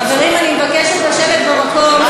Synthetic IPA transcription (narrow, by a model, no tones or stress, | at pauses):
avalimanimebakeʃet̪laʃevet̪̚bemakom